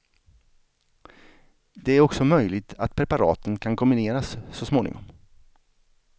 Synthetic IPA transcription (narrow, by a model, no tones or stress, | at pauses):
d̪ɛæɾɔksɔmœjlɪɡ̚t̪ʰat̪pʰɾɛpaɾɑ̰ːt̪ʰənkʰankʰɔmbɪneːɾasːɔsmoːnɪ̰ŋɔ̰m